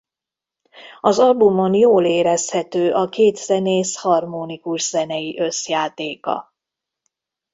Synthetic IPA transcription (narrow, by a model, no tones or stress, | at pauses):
ɒzɒlbumːonjoːleːɾɛshɛt̪øːʔɒkeːt̪z̥ɛneːshɒrmoːnikuʒz̥ɛnɛjiʔø̞sjaːt̪eːkɒ̰